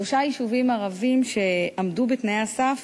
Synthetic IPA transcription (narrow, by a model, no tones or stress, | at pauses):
oʃajiʃuvimaʁavimʃe̞amdubetnejasaf